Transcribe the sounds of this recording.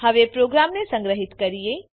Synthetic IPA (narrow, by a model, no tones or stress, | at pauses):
həʋepɾoɡɾamnesə̃ŋɡɾəɦit̪kəɾije